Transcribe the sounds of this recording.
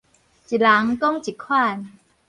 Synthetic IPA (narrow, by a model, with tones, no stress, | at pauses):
t͡ɕi˨˩laː˨˦ŋt̪ɔ˥˩ŋt͡ɕi˨˩kʰwaː˥˩n